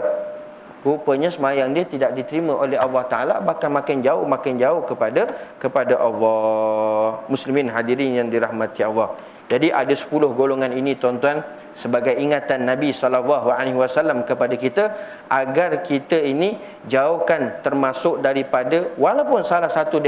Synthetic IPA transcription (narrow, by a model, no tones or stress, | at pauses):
ɾupəɲasəmajaŋdiət̪idaʔ̚dit̪əɾimə̃ʔolɛɦɑlːɑht̪aʔala̰bahkanmãkand͡ʒaʊhmakand͡ʒaʊhkəpadakəpadaʔɑlːɑ | muslimɪnɦadiɾijaŋdiɾahmãt̪iɑlːɑh | d͡ʒadiʔadəsə̥pulʊhɡoloŋãninĩt̪ɔnt̪uan | səbaɡajiŋat̪anːãbisɔlalːɑɦualeɦwasalamkəpadakit̪ə | ʔaɡarkit̪əini | d͡ʒaʊhkant̪ərmãsʊk̚daɾipadəwalawpʊnsalahsat̪ud